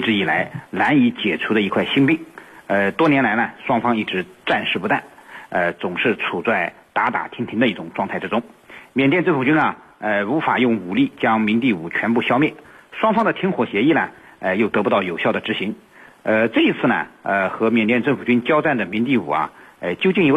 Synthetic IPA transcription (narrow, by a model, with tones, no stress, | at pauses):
i˥˩ʈ͡ʂɻ̩˧˥i˨˩la˧˥ɪla˧˥ni˧˥t͡ɕjɛ˨˩ʈ͡ʂʰu˧˥d̪ə˧i˧˥kʰwa˥˩ɪɕi˥ŋpi˥˩ŋə˧t̪wɔ˥njɛ˥nla˧˥ɪnə˧˨ʂwɑ˥ŋfɑ˥ŋi˥˩ʈ͡ʂɻ̩˧˥ʈ͡ʂa˥˧nʂɻ̩˥˩pu˥t̪a̰˥˩nə˧t͡sʊ˨˩ŋʂɻ̩˥˩t͡sʰu˨˩t͡sa˥˩ɪ | t̪a˧˥t̪a̰˨˩t̪ʰi˧˥nt̪ʰi˧˥ŋd̪ə˧i˥˩ʈ͡ʂʊ˨˩ŋʈ͡ʂwɑ˥˧ŋʰa˥˩ɪʈ͡ʂɻ̩˧˥ʈ͡ʂʊ˥ŋmjɛ˨nt̪jɛ˥˧nʈ͡ʂə˥˩nfu˨˩t͡ɕy˥nɐ˨ə˧u˧˥fa˨˩jʊ˥˩ŋu˨˩li˥˩t͡ɕjɑ˥ŋmi˧˥ŋt̪̬i˥˩ṵ˨˩t͡ɕʰɥɛ˧˥npu˥˩ɕjɑ˥ʊmjɛ˥˩nʂwɑ˥ŋfɑ˥ŋd̪ə˨t̪ʰi˧˥ŋxwɔ˨˩ɕjɛ˧˥i˥˩nɐ˩ | ə˧jo˥˩ʊt̪ɤ˧˥p̬u˧t̪ɑ˥˩ʊjo˨˩ʊɕjɑ˥˩d̪ə˩ʈ͡ʂɻ̩˧˥ɕi˧˥ŋ | ə˧ʈ͡ʂɤ˥˩i˧˥t͡sʰɹ̩˥˩nə̰˩ə˧xɤ˧˥mjɛ˨˩nt̪jɛ˥˧nʈ͡ʂə˥˩nfu˨˩t͡ɕy˥nt͡ɕjɑ˥ʊt͡sa˥˩nd̪ə˩mi˧˥nt̪̬i˥˩ṵ˨˩ɐ̰˧ə˧t͡ɕjo˥ʊt͡ɕi˥˩ŋjo˧˥